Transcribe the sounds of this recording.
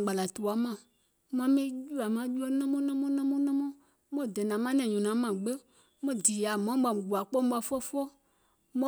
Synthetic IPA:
ɡ͡ba˨la˨tu˨a˨˦mã˨ | mã˨˦mẽ˦d͡ʒu˦a˨mã˦d͡ʒu˦ɔ˦nã˦mɔ̃˦nã˦mɔ̃˦nã˦mɔ̃˦nã˦mɔ̃˦ | mɔ̃˦˨dɛ˨nã˨˦mã˦nɛ̃˨ɲɔ̃˨nã˨˦mã˨ɡ͡be˦ | mɔ̃˦di˨ja˨mã˦ba˨m˨ɡu˨a˨k͡pɔ˦m˦ɓa˨fɔ˦fɔ˦ | mɔ̃˦

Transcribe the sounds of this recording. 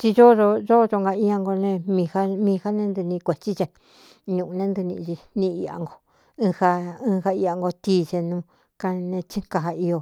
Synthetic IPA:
t͡ʃi˧ʒo˦ʐo˧ʒo˦˧ʒo˧ŋɡa˧i˧a˧ŋɡo˧nẽ˧mĩ˧ha˦mĩː˧ha˦nẽ˧˦nd̪u˧nĩ˧kʷe˨t͡ʃi˦t͡ʃe˧ | ɲũ˨ũ˧nẽ˦nd̪u˧nḭ̃˧t͡ʃi˧nĩ˧i˧a̰˧ŋɡo˧ | ɨ̃˧ha˧ɨ̃ː˧ha˧i˧a˧ŋɡo˧t̪iː˧˦˧t͡ʃe˧nũ˧ | ka˧nẽ˧t͡ʃĩ˦ka˧ɦa˧i˧o˧

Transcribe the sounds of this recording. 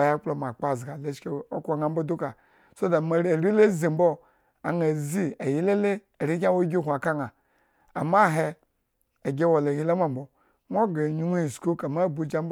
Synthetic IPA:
a˨ja˦k͡plo˨m˨a˨k͡pa˨zɡa˨le˦ʃke˨o˦ko˨ŋa˨m̩bo˦du˦ka˨ | so˦da˨ma˨˦˨ɾi˦le˦zi˨m̩˦bo˦ | a˨na˨zi˦a˨ji˦le˦le˦ | a˨ɾi˦kʲa˦wo˦ɡʲi˦˨kʷa˨ka˦ŋa˨ | a̰˨ma˦˨ɦeː˦˨ | ɡʲe˦wo˨la˨ji˦la˦mʷ˦a˦˨m̩˨bo˨ | nʷ˦o˦ɡa˨ɲu˦nʷu˦i˨sku˦ka˨ma˦˨bu˨d͡ʒa˦m˦b

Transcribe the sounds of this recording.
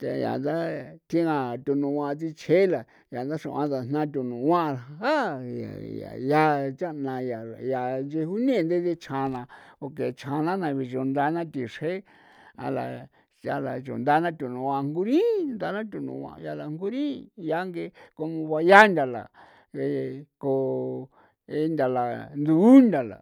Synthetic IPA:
t̪e˧ja̰˨nd̪a˦t̪ʰĩ˧nã˧˨t̪u˧nũ˧ã˧t͡si˧t͡ʃʰe˦la˨ | ja˨nd̪a˦ʂṵ̃˧˨ʔã̰˧t̪a˨n̥ã˦t̪̬ʲu˧nũ˨˧wã˦˧ha˦ja̰˨ja̰˨ja˦t͡ʃa˦nã˧ja˨ja˨nd͡ʒe˧hu˦nẽ˦˧nd̪e˦ðe˦t͡ʃʰã˧nã˧o˧ke˨t͡ʃʰã˧nã˦nã˧βi˧t͡ʃo˧nd̪a˧˦nã˦t̪i˧˨ʂe˦ | a̰˧la̰˧ | a˧la˨t͡ʃo̰˨nd̪a˦nã˦t̪ʲu˨nũ˨˧ã˧ŋɡu˧ɾĩ˦nd̪a˧˦nã˦t̪̬ʲu˧˨nṵ̃˨ã̰˧ja˧la˧ŋ˦ɡu˦ɾĩ˦ja˧˦ŋɡe˧ko˧mõ˧βa˧ja˦nd̪ʲa˧la̰˨ | e˧ko˧ | e˧˦nd̪ʲa˨la˨nd̪uː˧˦nd̪ʲa˨la̰˨

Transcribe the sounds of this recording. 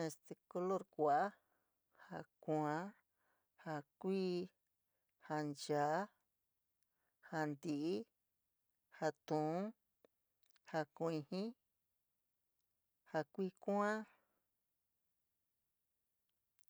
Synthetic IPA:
ẽ˧st̪e˧ko˧lo˦˨ɾkʷa˨ʔa˦ | ha˧ku˧˨ã˧˦ | ha˧kʷiː˦ | ha˧nd͡ʒaː˨˦ | ha˧nd̪i˨ʔi˦ | ha˧t̪ũ˨ũ˦ | ha˧kũ˧˨˧ĩ˧hĩ˦ | ha˧kʷiː˦˧kʷã˦

